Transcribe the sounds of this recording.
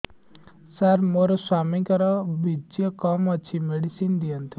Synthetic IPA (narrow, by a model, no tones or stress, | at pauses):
saɾmoɾɔswamikɔɾɔbʱid͡ʒjəkɔmət͡ʃʰimeɽisind̪ijənt̪i